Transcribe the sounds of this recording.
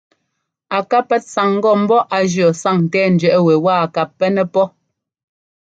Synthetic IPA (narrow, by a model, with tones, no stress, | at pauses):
a˨ka˦pːɛ˦t̚sa˨ŋ̩˦ɡɔ˦˨m̩˦bɔ˦ʔa˨d͡ʒjɔ˨sa˦˨ŋ˨tɛː˦˨n̩˨d͡ʒɥɛ˨ʔɛ˦we˨waː˦˨a˨ka˨pːɛ˦nɛ˦pɔ˦